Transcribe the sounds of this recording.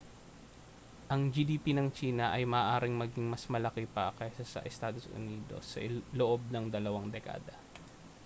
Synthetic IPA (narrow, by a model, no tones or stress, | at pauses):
ʔɐŋd͡ʒiːd̪iːpinɐŋt͡ʃiːnɐʔɐjmɐʔːʔaːɾɪŋmɐɡiŋmɐsmɐlɐkɛpɐkɐjsasɐ̰ʔɛst̪aːd̪o̞sʊ̰niːd̪o̞̰sːɐ̰ʔloʔob̚nɐŋd̪ɐlɐwaŋd̪ɛka̰ːd̪ɐ